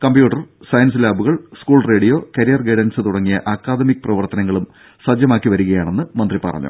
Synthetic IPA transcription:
kɐmbjuːʈːɐrsɐjɐns̬ɨlaːbuɣɐɭskuːɭre̞ːɽijo̞ːkɐɾijɐrɡeɽɐnsɨt̪uɽɐŋːijɐʔɐkːaːd̪ɐmikːɨprɐʋɐrt̪ɐnɐŋːɐɭum | sɐd͡ʑjɐmaːkːiʋɐɾuɣɐjaːɳe̞nːɨmɐnd̪ripɐ̰rɐ̰ɲːṵ

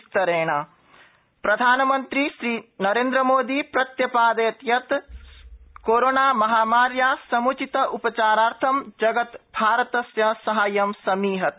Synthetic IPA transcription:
t̪ɐɾeːɳa | pɾɐd̪ʱaːnɐmɐnt̪ɾiʃɾiːnɐɾeːnd̪ɾɐmoːd̪ipɾɐt̪jɐpaːd̪eːt̪jɐt̪ | koːɾoːɳaːmɐɦaːmaːɾjaːsɐmut͡ʃit̪ɐʔupɐt͡ʃaːɾaːɾt̪ʰɐmd͡ʒɐɡɐt̪bʱaːɾɐt̪ɐsjɐsɐɦaːjɐmsɐmiːɦɐt̪

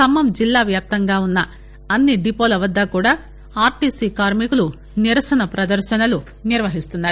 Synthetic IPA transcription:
kɐmːɐmd͡ʒilːaːʋjaːp̚t̪ɐŋɡaːunːɐ | ɐnːiɖipoːlɐʋɐd̪ːɐkuːɽaː | aːɾʈiːsiːkaːɾmikulu | niɾɐsɐnɐpɾɐd̪ɐɾʃɐnɐlu | niɾʋɐɦist̪unːaːɾi

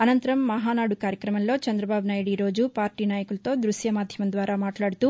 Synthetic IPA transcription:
ɐnɐnt̪ɐɾɐmːɐɦaːnaːɽukaːɾjɐkɾɐmɐnlo̞ːt͡ʃɐnd̪ɾɐbaːbʱunaːjɽiɾo̞ːd͡ʒupaːɾʈiːnaːjɐkulɐt̪o̞ːd̪ɾuʃjɐmaːd̪ʱjɐmɐnd̪ʋaːɾaːmaːʈlaːɽut̪u

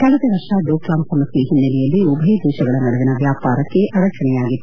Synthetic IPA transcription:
kɐlɐd̪eʋɐʂaːɖoːklaːmsɐmɐsiɦinːɐlɛjɐlːiubʱɐid̪ʱuːʃɐɡɐɭɐnɐɽeʋinɐʋjaːpaːɾɐkːe̞ʔaɾɐt͡ʃɐɳɛjaːɡit̪ː

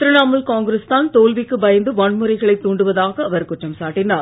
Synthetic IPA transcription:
t̪ɪɾɐnaːmɐlkaːŋɡɾest̪aːnt̪oːlʋɪkːɯbɐjɐnd̪ɯʋɐɳmɯɾɐɪɣɐɭɐɪt̪ːuːɳɖɯʋɐðaːɣɐːʋɐɾkʊʈrɐmsaːʈːɪnaːɾ

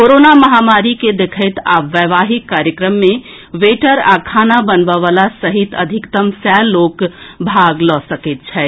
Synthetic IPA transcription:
koɾonaməɦamaɾiked̪ekʰəɪt̪a̰ːpʋəʋaɦikːaɾjəkɾəmːẽ | ʋeʈəɾa̰kʰaːnabənbəʋalasəɦit̪ə̰d̪ʱikt̪əmsɛlːokbʱaɡlɔsəkɛt̪̚t͡ʃʰɛ

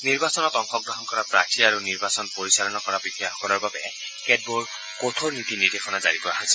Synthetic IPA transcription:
niɹbasɔnɔtɔŋxɔɡɹɔɦɔnkɔɹapɹatʰiaɹuniɹbasɔnpoɹisalɔnɔkɔɹabikijaxɔkɔnɔɹbabɛ | kɛd̚boɹ | kot̪ʰoɹnit̪inidexʰɔnazaɹikɔɹaɦɔjsɛ

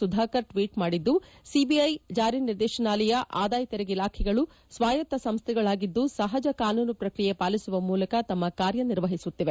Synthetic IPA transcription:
ud̪ʱaːkɐɾʈʋiːʈmaːɽid̪ːusibiɐjd͡ʒaːɾiniɾd̪ɛːʃɐnaːlɛjɐʔaːd̪aːjɐt̪ɛɾɛɡilaːkʰɛɡɐɭu | sʋaːjɐt̪ːɐsɐmst̪ʰɛɡɐɭaːɡid̪ːusɐɦɐd͡ʒɐkaːnuːnupɾɐkɾijepaːlisuʋɐmuːlɐkɐt̪ɐmːɐkaːɾjɐniɾʋɐɦisut̪ːiʋe

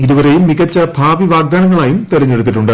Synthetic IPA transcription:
iðuʋɐɾejumːiɣɐt͡ɕːɐbʱaːʋiʋaːɡ̚d̪aːnɐŋːɐɭaːjumt̪iɾɐɲːe̞ɽut̪ːiʈːuɳɖɨ

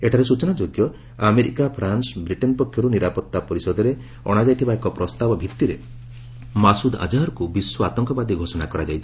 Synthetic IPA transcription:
eʈʰaɾesut͡ʃɔnad͡ʒoɡjɔ | ameɾikapʰɾansbɾiʈenpɔkʰːjɔɾuniɾapɔt̪ːapɔɾisɔd̪ʱɔɾe | ɔ̰ɽ̃ad͡ʒajt̪ʰibaekɔpɾɔst̪abɔbʱit̪ːiɾe | masud̪a̰d͡ʒaɔɾkubiswɔat̪ɔŋkɔbad̪iɡʱosɔnakɔɾad͡ʒajt͡ʃ̪ʰi̥

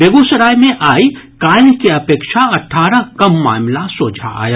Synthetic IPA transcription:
beːɡoːsəɾaːjmẽʔaːikaːnkeɐpeːkʃaɐʈʰːaːɾakɐmːa̰ːmlasoːd͡ʒʱa̰a̰ːjaː

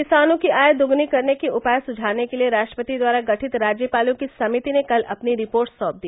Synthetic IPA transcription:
kɪsaːnõkiʔaːjd̪ʊɡnikɐɾnekiʊpaːjsʊd͡ʒʱaːnekelieɾaːʃʈɾəpət̪id̪waːɾaɡɐʈʰɪt̪ɾaːd͡ʒjəpaːlõkisɐmɪt̪inekɐlɐ̰pniɾɪpoːɾʈsɔːp̚d̪iː

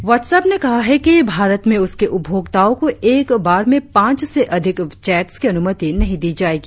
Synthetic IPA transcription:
ʋɔːʈsɛːpnekɐɦaɦɛkibʱaːɾət̪mẽʊskeʔʊbʱjoːɡt̪aːõkoeːkbaːɾmẽpãːt͡ʃseʔɐd̪ʱɪkt͡ʃɛːʈskiɐnʊmət̪inɐɦĩd̪iːd͡ʒaːeːɡiː

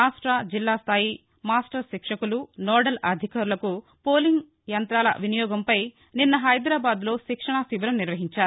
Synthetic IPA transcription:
aːsʈɾɐd͡ʒilːaːst̪ʰaːji | maːsʈɐɾʃikʂɐkulunɔːɖɐlɐd̪ʱikaːɾulɐku | poːliŋɡ | jɐnt̪ɾaːlɐ̰ʋinijɔːɡɐmpɐj | ninːɐɦɐjd̪ɾaːbaːd̪lo̞ːʃikʂɐɳasiʋɐɾɐmniɾʋɐɦiɲt͡ʃaːɾu

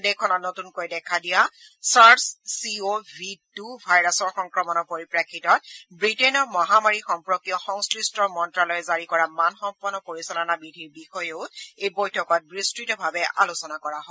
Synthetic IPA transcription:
dekʰːɔnɔnotunkojdɛkʰadija | sassiobʱitubʱajɹasɔɹxɔŋkɹɔmɔnɔpoɹipɹakʰːitɔt̚bɹitenɔmɔɦamaɹixɔmpɹɔkijɔxɔŋskɹistɹɔmɔntɹalɔjzaɹikɔɹamanxɔmpɔnːɔpoɹisɔlɔnabɹidʱiɹbixɔjeʊejbojtʰɔkɔt̚bɹistɹitɔbʱabɛʔa̰lusɔnakɔɹaɦɔ

